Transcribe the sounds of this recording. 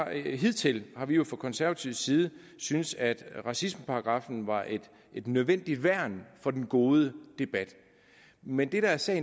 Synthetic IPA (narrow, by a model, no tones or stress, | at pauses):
ɦið̰ˠt͡sʰe̝lhɑ̈ʋijo̝fʁɑkʰɒ̽nsæɐʋæt͡sʰiʊ̰siːð̞̩ˠə | synsæd̥ʁɑ̈sismpʰɑ̈ɑɡ̥ʁɑ̈fn̩ʋɑ̈ʔe̝d̥ | e̝d̥nøð̞ˠʋen̰d̥id̥ʋæɐ̰nfɒ̽d̥enɡ̥o̝ːð̞ˠəd̥e̝b̥æd̥ | mend̥e̝ɾ̥ɑ̈æɐsɛ̰ːɪ